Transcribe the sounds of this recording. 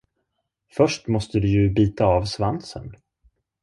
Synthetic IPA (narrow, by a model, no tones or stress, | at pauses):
fœʂʈmɔst̪əd̪ɵjɵbiːt̪aːvsvansə̰n